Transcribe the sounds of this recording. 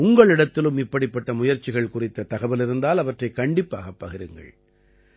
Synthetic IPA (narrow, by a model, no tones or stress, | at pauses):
ʊŋɡɐɭɪɽɐt̪ːɪlɯmɪpːɐɽɪpːɐʈːɐmʊjɐɾt͡ʃːɪɣɐɭkʊrɪt̪ːɐt̪ɐɣɐʋɐlɪɾɯnd̪aːlɐʋɐʈrɐɪkɐɳɖɪpːa̰ːɣɐpːɐɣɪɾɯŋɡɐ̰ɭ